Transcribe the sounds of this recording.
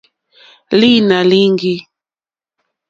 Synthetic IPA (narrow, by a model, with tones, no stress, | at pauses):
li˦na˨li˦ŋɡi˦